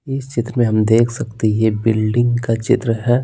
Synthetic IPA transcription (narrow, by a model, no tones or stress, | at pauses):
ɪst͡ʃɪt̪ɾəmẽɦɐmd̪eːkʰsɐkt̪eɦjebɪlɖɪ̃ŋɡkat͡ʃɪt̪ɾəɦɛː